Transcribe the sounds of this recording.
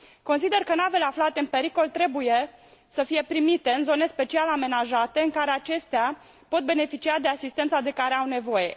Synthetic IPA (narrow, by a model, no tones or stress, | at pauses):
ko̞nsid̪e̞rkənave̞le̞aflat̪e̞ɨnpe̞ɾiko̞lt̪ɾe̞buje̞ | səfije̞pɾimit̪e̞ɨnzo̞ne̞spe̞t͡ʃialame̞naʒat̪e̞ɨŋkaɾe̞at͡ʃe̞st̪ea | po̞t̪̚be̞ne̞fit͡ʃiad̪e̞asist̪ent̪sad̪e̞kaɾeawne̞vo̞je̞